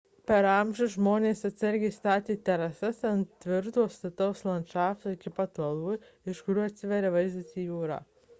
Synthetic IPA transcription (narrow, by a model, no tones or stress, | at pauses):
pʲɛɾɐmʲʒʲʊʒmoːnʲeːsɐt̪ʲsʲɛɾʲɡʲɛst̪ɑːt̪ʲiːt̪ʲɛɾɐsɐsɐnt̪ʲʋʲɪɾt̪uɔst̪ɐt̪ɐʊslˠɐnʃɑːft̪ɐɪkʲɪpɐt̪ɔlˠʋʊ | ɪʃkʊɾʲuːɐt̪ʲsʲɪʋʲɛɾʲɛʋɐɪzd̪ɐsʲiːjuːɾɑ̰